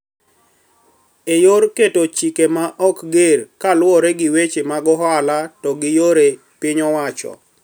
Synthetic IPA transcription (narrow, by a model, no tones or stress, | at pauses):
ejoɾketot͡ʃikemaʔɔkɡeɾkalwɔɾeɡɪwet͡ʃemaɡɔɦalatɔɡɪjoɾe | pɪɲɔwat͡ʃɔ̰